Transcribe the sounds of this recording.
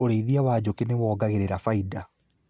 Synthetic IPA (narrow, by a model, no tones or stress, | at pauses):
oɾeiðiawaːd͡ʑokenewɔːɡaɣeɾeɾafaida